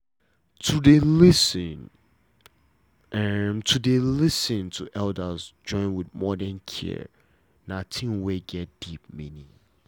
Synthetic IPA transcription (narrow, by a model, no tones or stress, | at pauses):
tʰudelɪsn | ɛmtʰudelɪsɪ̃ntʰuʔɛldəzd͡ʒɔ̃ɪ̃nwɪdmɔdɛ̃nkʰḭ | nãtʰĩmweɡɛt̚d̥ip̚mĩnĩŋ